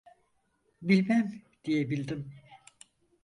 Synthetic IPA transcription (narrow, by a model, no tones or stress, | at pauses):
bilʲmæmd̪̥ijebilʲd̪im